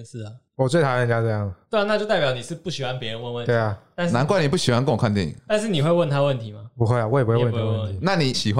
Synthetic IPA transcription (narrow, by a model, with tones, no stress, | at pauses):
s̩˥˩a˩ | wɔ˨˩t͡swe˥˩a˧˥˩ə˧˦nt͡ɕja˥ʈ͡ʂɤ˥˧jɑ˥˩ŋa˨˩t̪we˥˩˦na˥t͡ɕo˥˧ʊt̪a˥˩ɪpjɑ˨˥ʊni˨˩ʂɻ̩˥˧pu˥˩ɕi˨˩xwa˥˧npjɛ˧˦ɻə˧˦nwə˥˧nwə˥˨t̪e˥˩ɪa˨˦a˥˧nna˧˦nkwa˥ni˨˩p̬u˥˩ɕi˨˩xwa˧˦nkə˥ŋwɔ˨˩kʰa˧t̪ḭ̃˥˨t̪nʂ̬ɻ̩˥˨ni˨˩xwe˥˧ɪwə˥˨nt̪ʰa˥wə˥˨˩nt̪ʰi˨˦ma˨˩pu˧xwe˥˩a˨wɔ˧˥˨pu˧˥we˥˧wnʰ˧˥˦əwə˨t̪ʰi˨˦na˥˨ni˨˦ɕi˨˩xwa